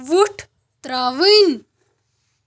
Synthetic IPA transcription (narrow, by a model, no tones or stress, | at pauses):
ʋuʈʰ | t̪ɾaːʋin